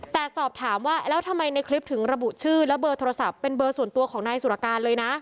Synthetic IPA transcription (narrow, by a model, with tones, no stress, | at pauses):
t̪ɛː˨˩sɔː˨˩p̚t̪ʰaː˩˦mwaː˥˩lɛː˦˥wt̪ʰa˧mːa˧jna˧jkʰli˦˥p̚t̪ʰɯ˩˦ŋɾa˧bu˨˩t͡ɕʰɯː˥˩lɛ˦˥bɤː˧t̪ʰoː˧ɾa˧sa˨˩ppːe˧nbɤː˧su˨˩ənt̪u˧ɐkʰɔː˩˦ŋnaː˧jsu˨˩ʔa˧˩kaː˧nlɤː˧jna˦˥ʔ